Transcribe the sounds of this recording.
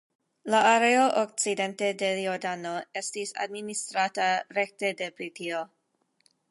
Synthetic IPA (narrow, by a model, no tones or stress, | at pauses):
laːɾeoʔok̚t͡side̞nte̞de̞joɾdano̞e̞stisa̰dministɾataɾe̞k̚te̞depɾitio̞